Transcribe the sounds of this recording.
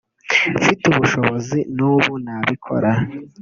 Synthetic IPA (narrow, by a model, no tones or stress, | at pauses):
fituβuʃo̞βozinuːβunaβikʰo̞̰ɾa